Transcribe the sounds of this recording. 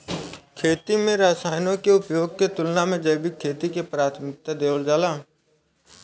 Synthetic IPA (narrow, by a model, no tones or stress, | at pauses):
kʰeːt̪imẽɾaːsaːɪnõkeʊpjoːɡ̚ket̪ʊlnamẽd͡ʒəːbikʰeːt̪ikepɾaːt̪ʰmɪk̚t̪ad̪eːʋəld͡ʒaːlaː